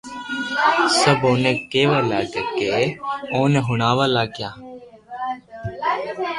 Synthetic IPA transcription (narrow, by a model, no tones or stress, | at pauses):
səboːnẽːkeːʋaːlaːɡekeːoːneɦʊɳaːʋaːlaːɡjaː